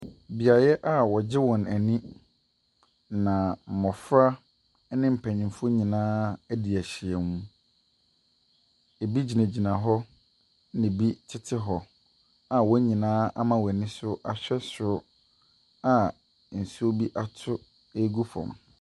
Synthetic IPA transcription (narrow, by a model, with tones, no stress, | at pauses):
bi˨a˨jɛ˦ʔa˦˨wɔ˨d͡ʑɪ˦wɔ̃˨næ˨nĩ˦ | nã˨m̩˨mɔ̃˨fɾa˦ | nɪ̃˦m̩˨pʰæ̃˨ɲɪ̃˨˦fʊ˦ɲĩ˨nãː˦æ˦di˨æ˨ɕɪ˨ɛ˨mũ˦ | e˨bi˦d͡ʑi˨næ̃˨d͡ʑi˨nã˨ɦɔ˦ | nɪ̃˨bi˦tʰɪ˦tʰɪ˦ɦɔ˨ | a˨wɔ˦ɲĩ˨nãː˦ʔa˦mã˨wæ˨nɪ̃˦sʊ˦ʔa˨ɕᶣɛ˦sʊ˦ | a˨ | n̩˨su˦o˦bi˦ʔa˨tʰʊ˦ | e˦ɡu˦fɔ̰̃˨m